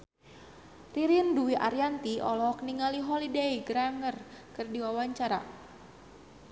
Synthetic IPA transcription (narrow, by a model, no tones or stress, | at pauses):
riɾinduwiʔaɾijant̪iʔɔlɔkniŋaliɦɔlideiɡɾaŋərkɨrdiwawaɲt͡ʃaɾa̰